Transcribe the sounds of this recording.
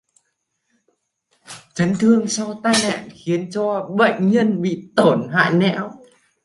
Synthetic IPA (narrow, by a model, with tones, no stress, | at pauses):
t͡ɕə˨˦ŋ̟t̪ʰɨ˧əŋsa˧wt̪aː˧jna̰ː˧˨nxi˨˦ənt͡ɕɔ˧ɓə̰˧˨jŋɲə˧nɓḭ˧˨t̪o˧˩nɦa̰ː˧˨jnɛ̰˧˥w